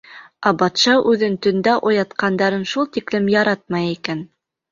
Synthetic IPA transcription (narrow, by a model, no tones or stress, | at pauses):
æbɑt̪ʃɑʔʉðɘnt̪ɵ̆nd̪æʔŏjɑt̪qɑnd̪ɑɾɤnʃulˠt̪iklɘmjɑɾɑt̪̚mɑjikæn